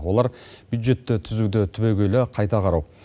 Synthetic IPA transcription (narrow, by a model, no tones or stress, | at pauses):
wo̞lˠɑɾb̥jud̪ʒe̞t̪ːɪt̪ʰʏzud̪ɪt̪ʰʏbeɡʲelɪqʰɑjt̪ɑqʰɑɾɑw